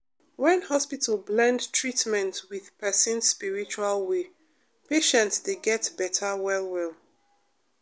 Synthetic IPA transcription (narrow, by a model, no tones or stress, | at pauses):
wɛ̃nhɔspitʰəlblɛ̃ndtʰɹitmɛ̃ntwið̥pɛsə̃nsspiɹit͡ʃualwe | peʃɛ̃ntsdeɡɛtbɛtʰəwɛlwɛl